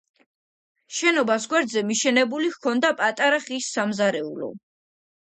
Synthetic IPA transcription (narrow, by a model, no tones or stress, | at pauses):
ʃɛnɔbasɡwɛɾd̪zɛmiʃɛnɛbulihkʰɔnd̪apʼat̪ʼaɾaχisːamzaɾɛulɔ̰